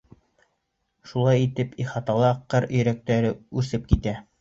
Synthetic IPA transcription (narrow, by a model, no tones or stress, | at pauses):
ʃulˠɑjit̪ɘpiχɑt̪ɑlˠɑqːɤɾɵ̆jɾæk̚t̪æɾɘʉsɘp̚kit̪æ